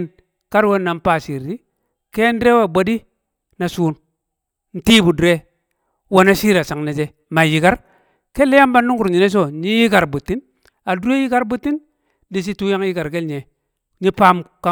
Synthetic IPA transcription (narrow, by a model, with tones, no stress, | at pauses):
n | ka˦ɾwe˦nːa˨mpa˦˨si˨ɾti˦ | ke˦n˦dɾe˦we˦˨bo˨di˦ | na˨suː˦n | n̩˦tiː˦bu˨de˦ | wo˨na˦si˦ɾa˨sa˨ŋne˨d͡ʒe˦ | ma˨ji˨ɡa˦ɾ | ke˦lːe˦ja˦mba˦nːu˦ŋɡu˨ɾɲi˨ne˦s̬o˦˨ɲi˦ji˦ka˨ɾbu˨tːi˦n | a˨du˦e˦ji˦ka˦ɾbu˦tːi˦n | di˨s̬i˦tu˦ja˦ŋ˦ji˦ɡa˨ɾɡe˦lɲe˨ | ɲi˦pa˦mka˦